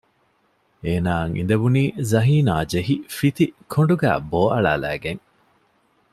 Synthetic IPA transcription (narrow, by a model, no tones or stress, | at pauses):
eːnaːŋʔḭnd̪ɐbuniːzɐɦiːnaːd͡ʒeɦifit̪ikʰoɳɖuɡæ̰ːboːʔɐɭa̰ːlæ̰ːɡeŋ